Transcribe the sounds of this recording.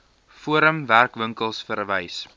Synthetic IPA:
fuəɾəmværkvəŋkəlˠsfəɾvɛjs

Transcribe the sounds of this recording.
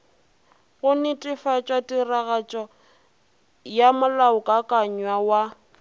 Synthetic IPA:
ɣʊnɪtʼɪfat͡ʃʼwatʼiraɣat͡ʃʼɔ | jamʊlaʊkʼakʼaɲwawa

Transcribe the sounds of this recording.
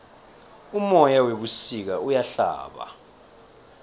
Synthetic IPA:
umɔjaweɓusik̬aujaɬa̰ːɓa̰

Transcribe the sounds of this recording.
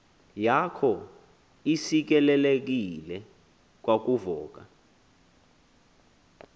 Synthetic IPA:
jakʰɔ | isik̬ɛlɛlek̬ilɛ | k̬wak̬uvɔːk̬a

